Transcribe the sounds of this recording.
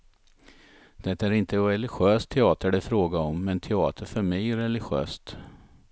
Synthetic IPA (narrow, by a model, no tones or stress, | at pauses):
d̪̥ɛt̪ːaæɾɪnt̪əɾɛlɪɧøːst̪ʰɛɑːt̪əɖɪfɾoːɡaɔmːɛnt̪ʰɛɑːt̪ʰəɾfœɾmɛjæɾɛlɪɧø̰ːst̪